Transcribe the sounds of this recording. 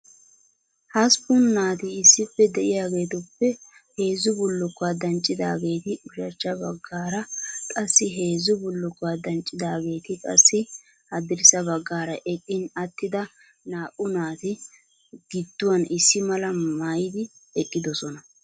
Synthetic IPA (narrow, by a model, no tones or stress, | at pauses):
hɐspʊnːaːt̪ɪɪsːɪpːɛd̪ɛʔɪjaːɡe̞ːt̪ʊpːɛ | he̞ːzʊbʊlːʊkːʊwaːd̪ɐnt͡ʃʼːɪd̪a̰ːɡe̞ːt̪ɪʔʊʃɐt͡ʃːɐbɐɡːaːɾɐkʼɐsːɪɦe̞ːzʊbʊlːʊkːʊwaːd̪ɐnt͡ʃʼːɪd̪aːɡe̞ːt̪ɪkʼɐ̰sːɪ | hɐd̪ɪɾɪsɐbɐɡːaːɾɐʔɛkʼːɪnɐt̪ːɪd̪ɐ | naːʔʼʊnaːt̪ɪ | ɡ̥ɪd̪ːʊwɐnɪsːɪmɐlɐmajɪd̪ɪɛkʼːɪd̪ɔsɔnɐ